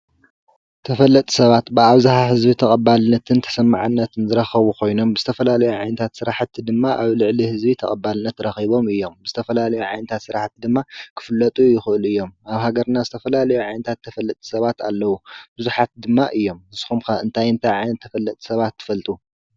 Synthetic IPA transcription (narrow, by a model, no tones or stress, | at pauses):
t̪ʰɐfɐlːɐt̪ʼi̥sɐβat̪bɨaβzahaɦɨzbit̪ʰɐkʼɐbalɨnɐt̪ʰɨnt̪ʰɐ̥sɐmːa̰ʕɨnːɐt̪ʰɨnzɨɾɐxɐβukʰo̞jno̞mbɨzɨt̪ʰɐfɐlalɐjuʕajnɐt̪ʰat̪sɨɾaħt̪ʰːid̪ɨmːaʔaβlɨʕlihɨzbit̪ʰɐkʼɐbalɨnɐt̪ɾɐxiβo̞mɨjːo̞mbɨzɨt̪ʰɐfɐlalɐjuʕajnɐt̪ʰat̪sɨɾaħt̪id̪ɨmːakʰɨ̥fɨlːɐt̪ʼujɪxɨʔɨluʔɨjːo̞maβhaɡɐɾnazɨt̪ʰɐfɐlalɐjuʕajnɐt̪ʰat̪ʰːɐfɐlːɐt̪ʼi̥sɐβat̪ʰa̰lːɐwubɨzuħat̪̚d̪ɨmːaʔɨjːo̞mhɨsxumkɐɨ̰nt̪ʰajɨnt̪ʰajʕajnɐt̪ʰːɐfɐlːɐt̪ʼi̥sɐβat̪ʰːɨ̥fɐlt̪ʼu